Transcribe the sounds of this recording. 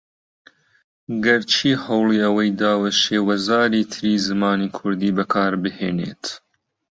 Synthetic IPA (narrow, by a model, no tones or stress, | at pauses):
ɡɐɾt͡ʃʰiːhɐwlˠiːɐwɐjd̪aːwɐʃeːwɐzaːɾiːt̪ʰɨɾiːzɨmɑːniːkʰʊɾd̪iːbɐkʰɑːɾbɨhḛːnḛːt̪